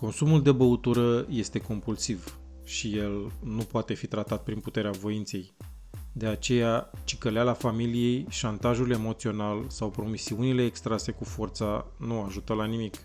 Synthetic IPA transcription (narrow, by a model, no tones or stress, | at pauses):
ko̞nsumuld̪e̞bəut̪uɾəje̞st̪e̞ko̞mpulsiv | ʃije̞lnupoat̪e̞fit̪ɾat̪at̪̚pɾinput̪e̞ɾeavo̞int̪se̞j | d̪e̞at͡ʃe̞jat͡ʃi̥kəlalafamilije̞jʃant̪aʒule̞mo̞t̪sio̞nalsawpɾo̞misiunile̞ːkst̪ɾase̞kufo̞rt̪sanuaʒut̪əlanimik